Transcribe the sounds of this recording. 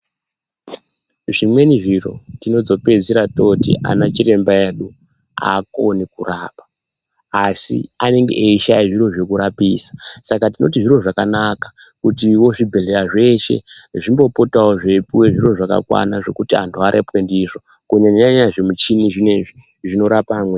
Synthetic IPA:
ʐimwe̞niʐiro̞̰tino̞d͡zo̞pe̞d͡ziɾato̞tḭʔa̰nat͡ʃire̞mbaeɗu | a̰ko̞nikuraːpḁ | asḭane̞ŋɡḛʔeiʃaiʐiro̞ʐe̞kuɾapiːsḁsakatino̞̰tiʐiro̞ʐakanakḁ | kutiwo̞ʐibʱe̞ɮeɾaʐe̞ʃḛʐimbo̞po̞tawoʐepiwe̞ʐiro̞ʐaka̰kwa̰naʐe̞kutiantʰuaɾʔepwe̞ndiʐo̞ | kuɲaɲaɲaʐemut͡ʃiniʐineʐi | ʐino̞ɾapamwe

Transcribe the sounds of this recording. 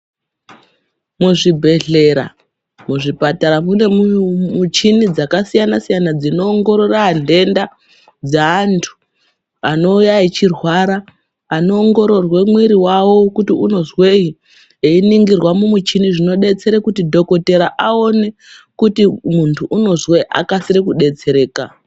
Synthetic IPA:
muʐibʱe̞ɮe̞ɾa̰ | muʐipataɾamune̞mmut͡ʃinid͡zakasijanasijanad͡zino̞ːŋɡo̞ɾo̞raːnde̞nda | d͡zaːntʰu̥ | ano̞ujait͡ʃirwaɾaː | no̞ːŋɡo̞ɾo̞rwe̞mwiɾiwawo̞kutiuno̞zwei | einiŋɡirwamumut͡ʃiniʐino̞ɗe̞t͡se̞ɾekutidʱo̞ko̞te̞ɾaʔao̞ne̞ | kutimuntʰuʔuno̞zweʔa̰kasiɾikuɗe̞t͡se̞ɾe̞ːka

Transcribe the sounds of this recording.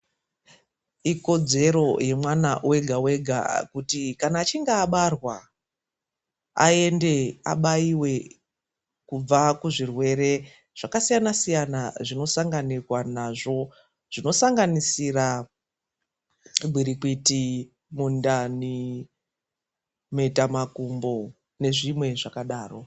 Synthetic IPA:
iko̞d͡ze̞ɾo̞je̞mwana̰we̞ɡʱawe̞ɡʱa̰kutikanaːt͡ʃiŋɡaːɓarwa | a̰e̞nde̞a̰ɓaiwe̞ | kub͡vakuʐirwe̞ɾe̞ | ʐ̥akasijanasijanaʐino̞saŋɡanikwanaʐo̞ | ʐ̥ino̞saŋɡanisira | bʱiɾikiti | mundani | me̞tamakumbo̞ | ne̞ʐimwe̞ʐakaɗaːro̞

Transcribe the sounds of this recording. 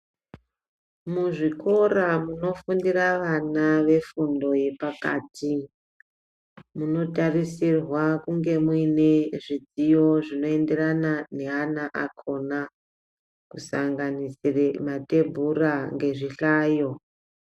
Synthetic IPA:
muʐiko̞ramuno̞fundiraʋanaʋe̞fundo̞je̞paka̰ːtʰi | muno̞tarisirwakuŋɡe̞mwine̞ʐid͡zijo̞ʐino̞e̞nde̞ranane̞anaʔakʰo̞na | kusaŋɡanisiremate̞bʱuraŋɡe̞ʐiɬaːjo̞

